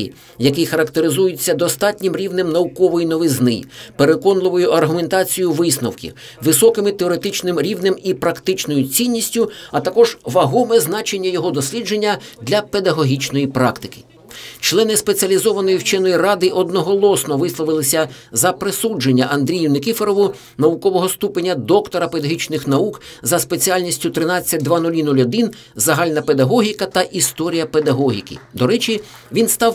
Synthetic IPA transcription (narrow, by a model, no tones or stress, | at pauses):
ḭ | jɐkɛjxɐɾɐkt̪eɾɪzujɪt͡sʲːɐd̪ɔst̪ɑtʲnʲɪmɾʲiwnɪmnɐukɔʋɔjinɔʋɪznɪ̰pe̞ɾekɔnlˠɪʋɔjʊʔɐrɦʊme̞nt̪ɑt͡sʲijʊʋɪsnɔwkʲḭ | ʋɪsɔkɪmɪt̪eɔɾe̞t̪ɪt͡ʃnɪmɾʲiwnɪmipɾɐkt̪ɪt͡ʃnɔjʊt͡sʲinʲːisʲtʲʊɐt̪ɐkɔʒ̥ʋɐɦɔmɛznɑt͡ʃenʲːɐjɔɦɔd̪ɔsʲlʲid͡ʒe̞nʲːɐd̪lʲɐped̪ɐɦɔɦʲit͡ʃnɔjipɾɑkt̪ɪ̥kɪ̥ | t͡ʃlˠɛnɪspet͡sʲiɐlʲizɔʋɐnɔjiwt͡ʃɛnɔjirɑd̪ɪʔɔd̪nɔɦɔlˠɔsnɔʋɪslˠɔʋɪlˠɪsʲɐ | zɐpɾesud͡ʒe̞nʲːɐʔɐnd̪ɾʲijʊnekʲifeɾɔʋʊ | nɐʋʊkɔʋɔɦɔst̪upenʲːɐd̪ɔkt̪ɔɾɐped̪ɐɦʲit͡ʃnɪxnɐukzɐspet͡sʲijalʲnʲisʲtʲʊt̪ɾɪnɑt͡sʲːɐt̚ʲd̪ʋɑnulʲinulʲɐd̪ɪn | zɐɦɑlʲnɐpe̞d̪ɐɦɔɦʲikɐt̪ɐʔist̪ɔɾʲijɐped̪ɐɦɔɦʲḭkɪ̰d̪ɔɾɛt͡ʃi | ʋʲinst̪ɑw